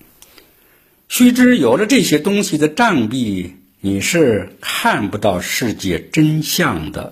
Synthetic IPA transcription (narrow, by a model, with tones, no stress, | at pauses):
ɕy˥ʈ͡ʂɻ̩˥jo˨˩ʊlə˦ʈ͡ʂɤ˥˩ɕjɛ˥t̪ʊ˥ŋɕi˨d̪ə˩ʈ͡ʂa˥˧npi˥˩ | ni˨˩ʂɻ̩˥˧kʰa˥˩npu˧t̪ɑ˥˧ʊʂɻ̩˥˧t͡ɕjɛ˥˩ʈ͡ʂə˥nɕjɑ˥˧˩ŋd̪ə̰˩